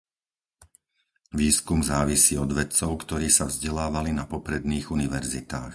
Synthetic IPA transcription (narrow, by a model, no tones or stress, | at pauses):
ʋiːskumzaːʋisiːɔd̪ʋɛt͡sɔʊkt̪ɔɾiːsavzɟɛlaːʋalinapɔpɾɛd̪niːɣuniʋɛɾzit̪aːx